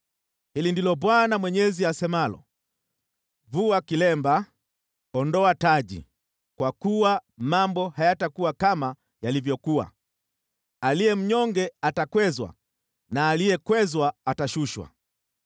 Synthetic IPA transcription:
hilindilɔbwanamwɛɲɛziasɛmalɔ̰ | vuakilɛmba | ɔndɔataʄḭ | kwakuwamambɔhajatakuwakama | jalivjɔkua̰ | alijɛm̩ɲɔŋɡɛatakwɛzwa̰ | naːlijɛkwɛzwaːtaʃuʃwa̰

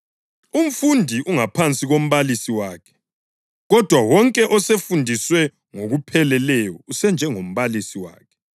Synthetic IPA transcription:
um̩fundʱiʔuŋapʰant͡sʼiɣom̩βalisiwaːkʰɛ̥ | ɣɔd̥ʱwawɔŋkʼɛʔɔsefundʱiswɛ | ŋoɣupʰɛlɛlɛjɔusɛnd͡ʒʱɛŋom̩βalisiwa̰ːkʰɛ̥

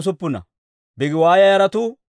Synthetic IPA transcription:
s̬ʊpːʊnɐ̰ | bɪɡɪwaːjɐjɐɾɐt̪ʊ

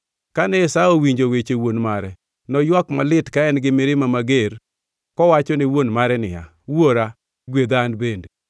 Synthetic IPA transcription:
kanɛɪsaowiɲd͡ʒowet͡ʃewonmaɾɛ | nɔjwakmalɪtkaɛnɡɪmɪɾɪmamaɡeɾ | kɔwat͡ʃɔnɪwonmaɾɛnɪ̰ja̰ | woɾa | ɡwed̪anbende

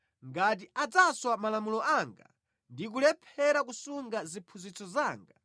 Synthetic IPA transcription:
ŋɡat̬iad͡zaswamalamulɔʔaŋɡa̰ | ndik̬ulɛpʰɛɾak̬usuŋɡazipʰuzit͡sʰɔzaːŋɡa

